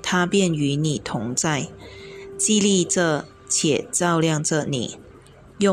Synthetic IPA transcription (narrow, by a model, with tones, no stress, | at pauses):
t̪ʰa˥pjɛ˥˨ny˧˥˦ni˨˩t̪ʰʊ˧˥ŋt͡sa˥˩ɪ | t͡ɕi˥˧li˥˧ʈ͡ʂə˥˧˨ | t͡ɕʰjɛ˨˩t͡sɑ˥˧ʊljɑ˥˧ŋʈ͡ʂə˥˩nḭ˨˩˦ | jʊ˥˨